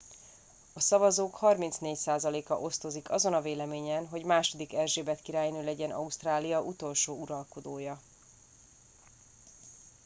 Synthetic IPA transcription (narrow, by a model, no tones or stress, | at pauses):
ɒsɒvɒzoːkhɒrmint̪sneːcsaːzɒleːkɒ̰ʔo̞st̪o̞zikɒzo̞nɒveːlɛmeːɲɛnɦo̞ɟmaːʃo̞d̪ikɛlʒeːbɛt̪kiɾaːjnøːlɛɟɛnʔɒ̰ust̪raːlijɒʔut̪o̞lʃoːuɾɒlko̞d̪oːjɒ